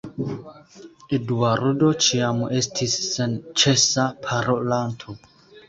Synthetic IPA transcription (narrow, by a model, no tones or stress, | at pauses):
eduaɾudo̞t͡ʃiame̞stʰisːent͡ʃe̞sapʰaɾolantʰo